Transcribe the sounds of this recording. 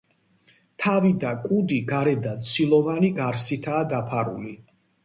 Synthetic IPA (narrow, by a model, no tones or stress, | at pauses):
t̪ʰavid̪akʼud̪iɡaɾɛd̪at̪sʰilˠɔvaniɡaɾsit̪ʰaːd̪apʰaɾṵli